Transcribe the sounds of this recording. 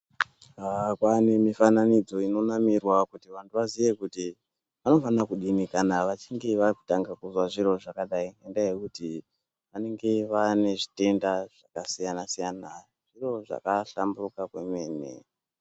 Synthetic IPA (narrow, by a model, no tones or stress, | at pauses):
ɦakwanemifananid͡zo̞ino̞namirwakutiʋantuʋazije̞kuti | ʋano̞fanakuɗinikanaʋat͡ʃiŋɡeʋariku̥taŋɡakuzwaʐiɾo̞ʐakaɗaiendaje̞kuti | ʋane̞ŋɡe̞ʋane̞ʐi̥te̞ndaʐ̥akasijanasijana | ʐ̥iro̞ʐa̰kaɬamburukakwe̞me̞ːnḛ